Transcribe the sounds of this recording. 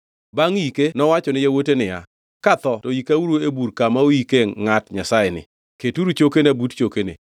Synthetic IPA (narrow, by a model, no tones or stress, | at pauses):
baŋikenɔwat͡ʃɔnɪjawotenɪja̰ | kat̪ɔtɔjikauɾuebuɾkamaojikeŋatɲasajɛnɪ̰ | ketuɾut͡ʃokenabutt͡ʃokenɪ̰